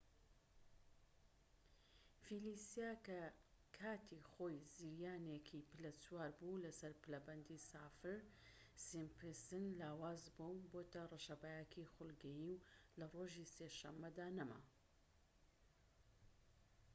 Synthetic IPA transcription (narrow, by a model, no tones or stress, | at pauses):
filisijakɐkʰaːt̪ʰiχoːjziɾjaːnekʰipɨlɐt͡suwaːɾbulɐsɐɾpɨlɐbɐnd̪isaːfɨɾ | simpʰɨsɨnlaːwaːzbɐwboːt̪ɐrɨʃɐbajakʰiχʊlˠɡɐjiwlɐroʒiseːʃɐmːɐd̪aːnɐma̰